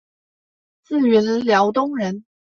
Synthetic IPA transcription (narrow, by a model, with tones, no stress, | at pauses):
t͡sɹ̩˥˩ɥɛ˧˥nə˧˦ljɑ˧˥ʊt̪ʊ˥ŋɻə˧˥n